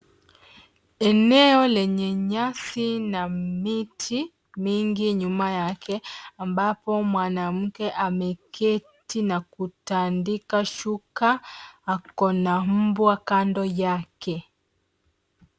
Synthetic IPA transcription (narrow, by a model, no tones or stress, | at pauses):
ɛnɛɔlɛɲɛɲasinamitʰi | miŋɡiɲumajakʰɛambapɔmwanam̩kɛʔamɛkʰɛ | tinakutandikaʃukaakɔnam̩bwakandɔjakɛ